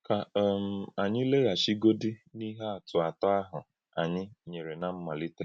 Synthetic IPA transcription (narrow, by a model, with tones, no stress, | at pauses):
ka˨˦˨m̩˨a˨ɲɪ˦le˦ɣa˨ʃi˦ɡo˦di˦ni˦ɦa˦a˨tʊ˨a˨tɔ˦a˦ɦʊ˨ | a˨ɲɪ˦ɲe˨ɾe˨na˦m̩˦ma˨lɪ˦te˦